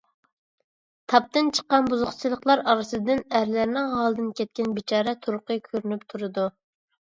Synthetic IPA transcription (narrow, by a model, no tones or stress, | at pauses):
t̪ʰɑp̚t̪ɨnt͡ʃʰə̥qːɑnbuzʊχt͡ʃʰilˠəχlˠɑɾɑɾɨsɨd̪ɨnæɾlæɾnɪŋɦɑlˠd̪ɨnkʲʰɛt̪̚kʲɛnbɪt͡ʃʰɑːɾɛt̪ʰuɾqʰɨkʲʰøɾynypt̪ʰuɾɨd̪u